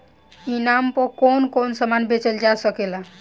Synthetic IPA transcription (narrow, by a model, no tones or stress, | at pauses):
inampɔkonkonsəmanbet͡ʃəld͡ʒasəkela